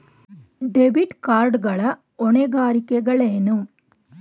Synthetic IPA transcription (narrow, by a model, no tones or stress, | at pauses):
ɖebiʈkaːɾɖɣɐɭɐ | ɔɳeɣaːɾɪkːɐɣɐɭeːnum